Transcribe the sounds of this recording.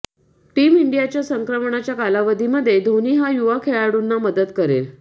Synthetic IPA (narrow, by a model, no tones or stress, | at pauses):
ʈiːmiɳɖijat͡ɕjasəŋkɾəmɳat͡ɕjakalaʋəd̪ʱiməd̪ʱːjed̪ʱoniːɦajuʋakʰeɭaɽuːnːaməd̪ət̪kəɾḛl